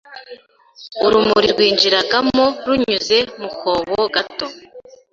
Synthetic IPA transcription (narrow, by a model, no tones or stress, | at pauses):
uɾumuɾiɾɡwiːnd͡ʒiɾaɡamoɾuɲuze̞mukʰoβoɡato